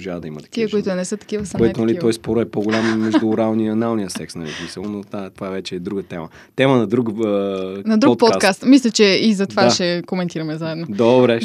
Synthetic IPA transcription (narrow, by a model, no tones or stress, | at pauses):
ʒavəd̪ɐimɐt̪ɐ̥kt̪iəkʊit̪ʊnɛsɤt̪ɐ̥kivəsɐbəd̪ɛt̪nɐliɔjskɔɾʊɛpoɡʊlʲamːɛʒd̪uːɾalˠniiɐnalˠnijəsɛksnɐlḭsmisəlˠonot̪at̪ovaɛvɛt͡ʃɛːd̪ɾuɡət̪ɛmə | t̪ɛmənɐd̪ɾukənɐd̪ɾuɔt̪̚p̪skast̪mislʲɐt͡ʃɛizɐt̪ovaʃɛkomɛnt̪iɾɐmɛzaɛd̪nod̪obɾɛ